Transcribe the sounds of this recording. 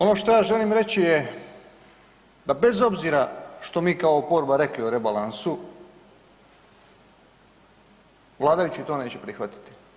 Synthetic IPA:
o̞no̞ʃt̪o̞jaːʒe̞liːmɾe̞t͡ɕije | d̪abe̞zo̞bziːɾaʃt̪o̞miːkaopo̞ɾbaɾe̞klioɾebalˠansu | ʋlˠaːd̪ajut͡ɕit̪o̞ːne̞ːt͡ɕepɾixʋat̪i̥t̪i̥

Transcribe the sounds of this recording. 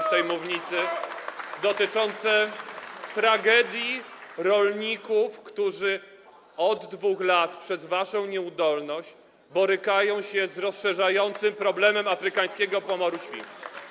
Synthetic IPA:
st̪ɛjmuvɲit̪sɘ | d̪ɔt̪ɘt͡ʂɔnt̪sɛ | t̪ɾaɡɛd̪ʲjiɾɔlɲikufkt̪uʐɘ | ɔd̪ːvuxlat̪pʂɛzvaʂɔ̃w̃ɲɛud̪ɔlnɔɕt͡ɕ | bɔɾɘkajɔ̃w̃ɕɛzɾɔsʂɛʐajɔnt̪sɘmpɾɔblɛmɛmafɾɘkaj̃skʲɛɡɔpɔmɔɾuɕfʲḭt̪u

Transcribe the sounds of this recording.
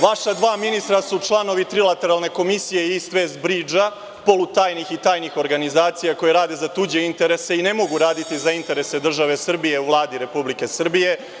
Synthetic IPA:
ʋaʃad̪ʋaːminist̪ɾasut͡ʃlˠano̞ʋit̪ɾilˠat̪e̞ɾalˠne̞ko̞misijeiist̪ʋeːzbɾiːd͡ʒa | po̞lut̪aːjnixit̪aːjnixo̞ɾɡanizaːt̪sijako̞jeɾaːd̪e̞zat̪ud͡ʑe̞int̪e̞ɾe̞se̞ine̞mo̞ɡuɾaːd̪it̪izaint̪e̞ɾe̞se̞d̪r̩ʒaʋe̞sr̩bije̞uvlˠaːd̪iɾe̞publike̞sr̩bije̞

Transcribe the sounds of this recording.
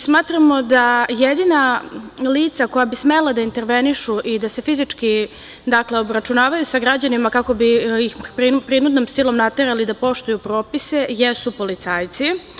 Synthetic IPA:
smaːt̪ɾamo̞d̪ajed̪inaliːt̪sako̞jabisme̞lˠad̪aint̪e̞ɾʋeniʃuʔid̪ase̞fizit͡ʂki | d̪akleo̞bɾat͡ʃunaːʋajusaɡɾad͡ʑanimakako̞bijixpɾipɾinud̪nomsilˠo̞mnat̪e̞ɾalid̪apo̞ʃt̪ujupɾo̞ːpise̞jesupo̞lit̪saːjt̪si

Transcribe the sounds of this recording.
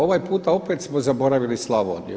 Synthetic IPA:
o̞ʋajpuːt̪ao̞pet̪smozabo̞ɾaʋilislˠaʋo̰nṵ

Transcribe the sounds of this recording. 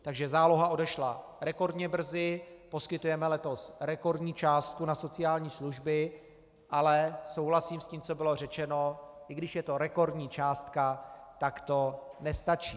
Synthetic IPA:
t̪aɡʒɛzaːlo̞ɦaʔo̞dɛʃla | ɾɛko̞ɾdɲɛbr̩zɪpo̞skɪt̪ujɛmɛlɛt̪o̞sɾɛko̞ɾdɲiːt͡ʃaːst̪̚kunaso̞t͡sɪjaːlɲiːsluʒbɪ | ʔalɛso̞wɦlasiːmsciːmt͡so̞bɪlo̞r̝ɛt͡ʃɛno̞ʔɪɡdɪʃjɛt̪o̞ɾɛko̞ɾdɲiːt͡ʃaːst̪kat̪akt̪o̞nɛst̪at͡ʃiː

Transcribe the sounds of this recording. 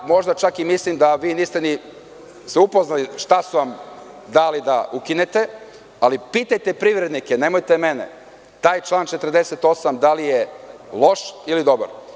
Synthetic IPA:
mo̞ʒd̪at͡ʃakimislimd̪aʋiːniːst̪eni | seupoznaliʃt̪asuʋamd̪alid̪aukine̞t̪e̞ | alipit̪ajt̪e̞pɾiʋɾed̪nikene̞mo̞jt̪emenḛ | t̪aːjt͡ʃlˠaːnt͡ʃet̪ərd̪eset̪o̞samd̪alijelˠo̞ʃilid̪o̞ba̰ɾ

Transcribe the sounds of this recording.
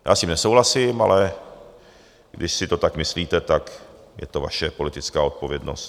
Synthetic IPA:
jaːscimnɛsowlasɪma̰lɛ | ɡ̥dɪʃsɪt̪ot̪akmɪsliːt̪ɛt̪ak | jɛ̰t̪o̞va̰ʃɛpo̞lɪt̪ɪt͡skaːo̞t̪̚po̞vjɛdno̞̰st̪

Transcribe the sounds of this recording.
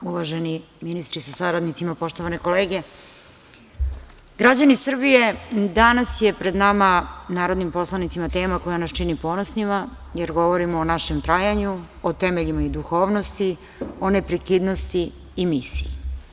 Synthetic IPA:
uʋaʒeni | minist̪ɾisasaɾad̪nit̪simapo̞ʃt̪o̞ʋaneko̞leːɡe̞ | ɡɾad͡ʑanisr̩bije̞d̪anasje̞pɾe̞d̪namanaːɾo̞d̪nimpo̞slˠanit̪simat̪e̞ːmako̞janast͡ʃinipo̞nosnima | jeɾɡo̞ʋo̞ɾimoːnaʃemt̪ɾaːjaɲu | ot̪emeʎimaid̪uxo̞ːʋnost̪i | o̞nepɾekid̪nost̪iː | misii

